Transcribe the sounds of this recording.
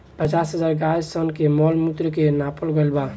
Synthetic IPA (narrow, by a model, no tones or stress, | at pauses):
pət͡ʃasɦəzaɾɡajsənkemɔlmut̪ɾəkenapəlɡəɪlba